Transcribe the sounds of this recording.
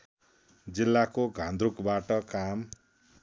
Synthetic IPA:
d͡zilːakoɡʱãnd̪rukbaʈʌkam

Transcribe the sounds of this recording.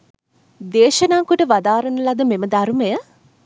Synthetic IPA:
d̪eːʃɐnaŋkuʈəʋad̪aːɾənəlad̪əmeməd̪aɾməjə

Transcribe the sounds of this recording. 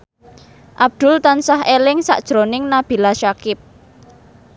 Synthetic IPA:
ʔab̚d̪̥ʊ̤lt̪ansaɦelɪŋsa̰ʔd̥ʒ̥ɾonɪŋnab̥i̤laʃakɪp̚

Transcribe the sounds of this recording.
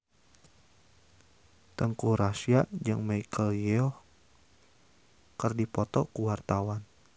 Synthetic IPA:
t̪əŋkuɾasiaʔd͡ʒɨŋmaikʰəljɛɔ | kərdipɔt̪ɔkuwart̪awan

